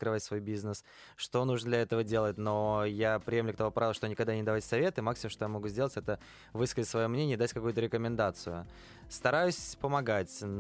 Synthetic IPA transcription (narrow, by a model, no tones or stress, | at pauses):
t̪kɾɨvatʲsvo̞jbʲiznəs | ʂt̪o̞nuʐnəd̪lʲɐɛt̪əvədʲe̞lˠət̚ʲnojapɾʲɪjemlʲʊkt̪ɐvo̞pɾavʲvlˠəʂt̪onʲɪkɐɡd̪anʲɪd̪ɐvatʲsɐvʲe̞t̪ɨmaksʲɪmʊmʂt̪o̞jamɐɡuzʲdʲe̞lˠətʲɛt̪ə | vɨskəzʲɪtʲsvɐjo̞mnʲenʲɪəd̪atʲkɐkujʊt̪əɾʲɪkəmʲɪnd̪at̪sɨjʊ̰ | st̪ɐɾajʊsʲpəmɐɡatʲ